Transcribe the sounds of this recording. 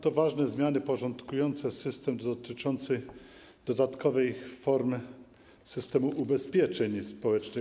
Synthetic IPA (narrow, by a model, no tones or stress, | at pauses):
t̪ɔvaʐnɛzmʲjanɘpɔʐɔnt̪kujɔnt̪sɛsɘst̪ɛmd̪ɔt̪ɘt͡ʂɔnt̪sɘ | d̪̥ɔd̪at̪kʰɔvɛjfɔɾmɘ | sɘst̪ɛmuʔubɛspʲjɛt͡ʂɛɲspɔwɛt͡ʂnɘ